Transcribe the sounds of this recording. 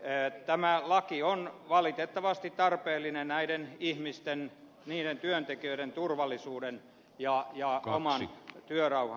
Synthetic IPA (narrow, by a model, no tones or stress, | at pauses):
t̪æmælɑkionʋɑlit̪et̪ːɑʋɑst̪it̪t̪ɑrpeːlːinennæidenihmist̪en | niːɾent̪yønt̪ekiøiɾent̪urʋɑlːisuːden | jɑjɑo̰mɑnt̪yørɑuhɑ